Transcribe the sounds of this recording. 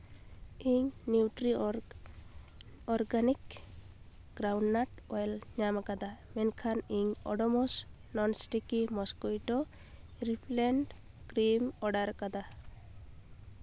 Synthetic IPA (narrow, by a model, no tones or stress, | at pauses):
iɲniwʈɾi | ɔɾɡanik | ɡ̥ɾawɳɖnaʈɔjlɲamakad̪amɛnkʰaniɲɔ̰ɖɔmɔs | nɔnsʈikimɔskujʈɔ | ɾipʰlɛɳɖ | kɾimɔɖaɾkad̪a